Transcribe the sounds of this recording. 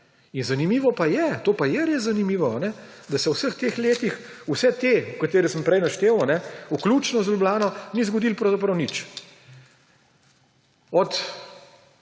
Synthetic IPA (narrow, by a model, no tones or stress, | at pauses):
inzanimiːʋɔpajɛt̪oːpajɛɾeːszanimiːʋɔanɛ | d̪asɛwsəxt̪eːxleːt̪ix | usɛt̪eukat̪eːɾisəmpɾɛjnaʃt̪eːwanɛuklut͡ʃnɔzlʲublaːnɔnizɡɔd̪ilpɾɐwzap̬ɾɐwnit͡ʃ | ɔt̪